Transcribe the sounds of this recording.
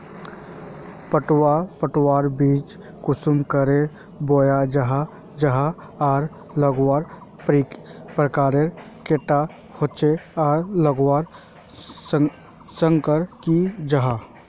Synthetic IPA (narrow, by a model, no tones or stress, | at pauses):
pəʈwapəʈwaːɾbiːt͡ʃ | kʊsʊmkəɾe | boːjad͡ʒəɦa | d͡ʒəɦa | aːɾ | ləɡwaːɾpɾipɾəkaːɾeɾkeʈa | hot͡ʃeaːɾləɡwaːɾ | sə̃ŋkəɾkid͡ʒəɦa